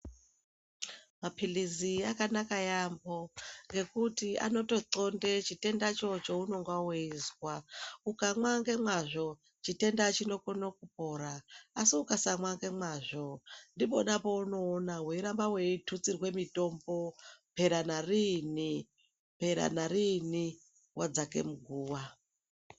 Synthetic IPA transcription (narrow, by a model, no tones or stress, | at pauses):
mapʰiliziakanakajambo̞ŋɡe̞kutia̰no̞to̞ǀo̞nde̞t͡ʃite̞ndat͡ʃo̞t͡ʃouno̞ŋɡaweizwaukamwaŋɡe̞mwaʐo | t͡ʃite̞ndat͡ʃino̞konokup̚o̞ɾaːsiukasamwaŋɡe̞mwaʐo̞ndiponapo̞uno̞ːnaɦuiɾambaweitʰut͡sirwe̞mito̞mbo̞pe̞ɾanarini | pe̞ɾa̰narini | wʔad͡zake̞̰muɡʱuːwa